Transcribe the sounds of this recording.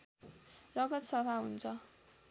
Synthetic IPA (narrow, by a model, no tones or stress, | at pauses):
rʌɡʌt̪sʌbʱaɦunt͡sʰʌ